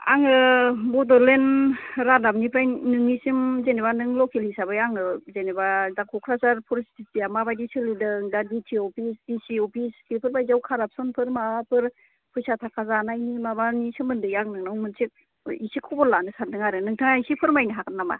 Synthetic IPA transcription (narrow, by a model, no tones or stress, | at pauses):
a̰ŋɯbɔdɔɾlenɾadap̚nipʰɾajnɯŋnisimzenebanɯŋlɔkʰelhisabɯjaŋɯzenebazakʰɔkʰɾasaɾpʰɔɾsi̥titijamabajdisɯlidɯŋdaditʰiɔpʰisdisiɔpʰiskipʰɯɾbajzawkʰaɾap̚sɔnpʰɯɾmaapʰɯɾ | pʰɯjsatʰakʰazanajnimabanisɯmɯndɯjaŋnɯŋnawmɯnsʰik̚ | isikʰɔbɔlanɯsantʰɯŋaɾɯnɯŋtʰɯŋaisipʰɯɾmajniɦakʰɯtnama̰